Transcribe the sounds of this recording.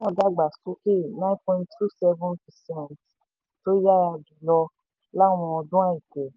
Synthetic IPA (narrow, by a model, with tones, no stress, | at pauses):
wɔ̃˦˧˨ɡa˦ɡ͡ba˨su˨˦ki˦nã˦npɔ̃˧ĩ˨ntʰu˦˨sɛ˦vũ˦npɛ˨sɛ̃˦˨nt | to˦ja˦a˧du˨lɔ˧ | la˦w̃ɔ̃˧ɔ˧dũ˦a˦˨i˨kɛ˨